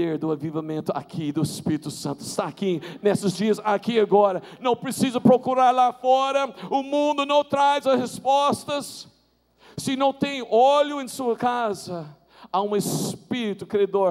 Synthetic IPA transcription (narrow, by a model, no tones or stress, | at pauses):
eɾd̪ʊavivɐmẽnt̪ʊa̰kʰid̪ʊɪspiɾit̪ʊsɐ̃nt̪ʊɪst̪aːkinesɪzd͡ʒiɐzakiaɡɔɾɐnɐ̃w̃pɾesizɐpɾokuɾaɾlafɔɾɐʊmũnd̪ʊnɐ̃w̃t̪ɾajzɐshespɔst̪ɐsː | ɪnɐ̃w̃t̪ẽj̃oʎʊẽsuɐkazɐ | aũɪspiɾit̪ʊkɾiad̪oɾ